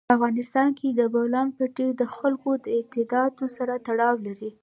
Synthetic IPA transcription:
afɣɑnɪst̪ɑnkʰed̪əbawlɑnpəʈed̪əxalkod̪əɪt̪ɪd̪ɑt̪osaɾat̪aɽɑwlaɾi

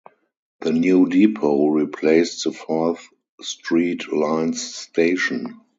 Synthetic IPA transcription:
ðənjuːdipʰoʊɹipʰleɪstðəfɔθ | stɹiːtlãɪ̃nsteɪʃɔ̃n

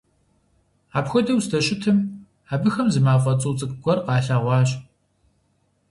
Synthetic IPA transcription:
aːpxʷɔdɐwsdɐɕɪtʰɨm | aːbɨxɐmzɨmaːfʼɐt͡sʼuːt͡sʼɨkʼɡʷɔrqɑːɬaːʁʷɑːɕ

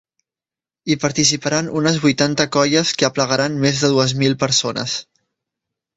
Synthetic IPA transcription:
ipəɾt̪isipəɾanunəzβujt̪ant̪əkɔjəskəəpləɣəɾanmezðəðuəzmilˠpəɾsonə̰s

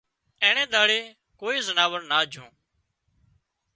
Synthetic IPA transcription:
ɛ̃ːɳẽːd̪aːɽeː | koːiːzənaːʋəɾnaːd͡ʒʱõː

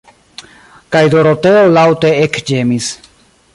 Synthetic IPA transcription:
kajd̪o̞ɾote̞olawteekd͡ʒe̞mis

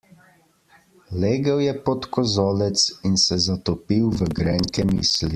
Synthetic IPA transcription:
leːɡəwjɛpɔt̪kɔzɔːlɛt̪sinsɛzat̪ɔpiwʋəɡɾɛŋkɛmḭːsli

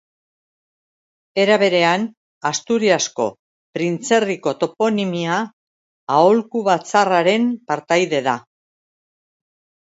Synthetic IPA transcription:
e̞ɾaβe̞ɾe̞an | ast̪uɾiasko̞̰ | pɾint͡se̞riko̞t̪o̞po̞nimiaː | olkuβat͡saraɾe̞mpaɾt̪ajðe̞ða

